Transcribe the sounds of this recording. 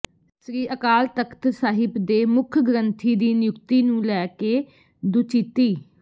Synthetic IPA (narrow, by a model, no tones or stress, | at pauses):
sɾiːʔəkaːlt̪əkʰt̪saːɦɪbd̪eːmʊkʰɡɾənt̪ʰiːd̪iːnɪjʊkt̪iːnũːlɛːkeː | d̪ʊt͡ʃit̪iː